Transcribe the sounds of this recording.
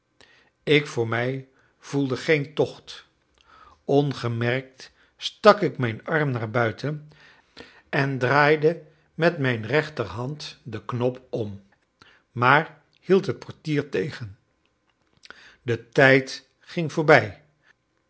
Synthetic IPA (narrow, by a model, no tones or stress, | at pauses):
ɪkfʊːɹmɛj | v̥ulˠdəχejntɔχt | ɔnχəmɛrk̚t | stɑkɪkmɛjnɑɹmnaːɹbœɥtʰən | ɛndraːjdə | mɛtmɛjnrɛχtəɹɦɑntdəknɔpɔm | maːɹ | hilˠtɦət̚pʰɔɹtiːɹtejχən | dətɛjt | χɪŋvʊːɹbɛj